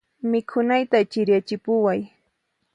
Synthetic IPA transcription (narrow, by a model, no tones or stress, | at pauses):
mɪkʰʊnajt̪at͡ʃɪɾjat͡ʃɪpʊwaj